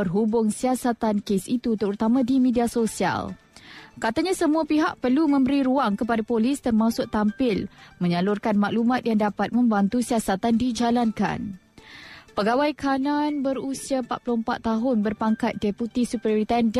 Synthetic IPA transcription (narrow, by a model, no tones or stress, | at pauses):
ərɦubʊŋsiasat̪ankesit̪ut̪əɾut̪amãdimediasosia̰l | kat̪aɲãsəmuapiɦaʔpərlumə̃mbəɾiɾuaŋkəpadapolɪst̪ərmãsʊʔt̪ampɪlmə̃ɲəlʊrkanmãʔlumãt̪̚jaŋdapat̪̚mə̃mbant̪usiasat̪andid͡ʒalanka̰n | pəɡawajkʰananbəɾusiapat̪̚plʊhəmpat̪ːaɦʊnbərpaŋkat̪̚dɛput̪isupəɾoɾit̪and